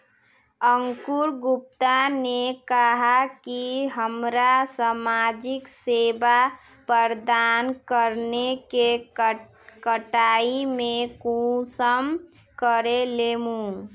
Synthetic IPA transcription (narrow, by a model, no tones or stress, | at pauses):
əŋkuɾɡup̚t̪anekəɦakiɦəmɾasamad͡ʒikseba | pəɾd̪ankəɾneke | kəʈaimekusəm | kəɾelemũ